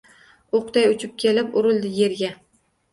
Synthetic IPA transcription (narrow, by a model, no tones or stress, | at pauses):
oqt̪ajʊt͡ʃʰɪp̚kʲʰelɪpʊɾɪlˠd̪ɪje̞ɾɡʲa